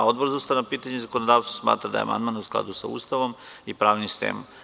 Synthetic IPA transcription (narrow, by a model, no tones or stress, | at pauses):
o̞d̪boɾzuːst̪anapiːt̪aɲezakonod̪aːʋsosma̰ːt̪ɾad̪a̰j̰a̰ma̰nd̪manusklˠa̰d̪usa̰ṵːst̪aʋomipɾaːʋnist̪ḛːm